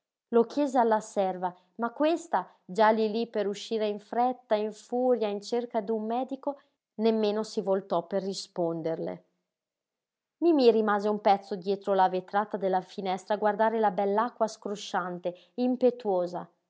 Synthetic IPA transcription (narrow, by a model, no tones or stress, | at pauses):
lokjɛːzealːasɛrva | makːwest̪a | d͡ʒalilipeɾuʃːiːɾeiɱfɾɛt̪ːaiɱfuːɾjaint͡ʃerkad̪umːɛːd̪iko | nemːeːnosivolt̪ɔperːispond̪erlḛ | mimirimaːzeumpɛt̪sːod̪jɛːt̪ɾolavet̪ɾaːt̪ad̪elːafinɛst̪ɾaːɡward̪aːɾelabɛlːakːwaskɾoʃant̪e | impet̪woːza